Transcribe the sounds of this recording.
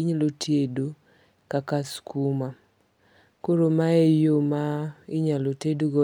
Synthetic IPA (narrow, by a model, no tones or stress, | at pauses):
iɲalotʰedo | kakaskuma | koɾomaejomaɪɲalotedoɡɔ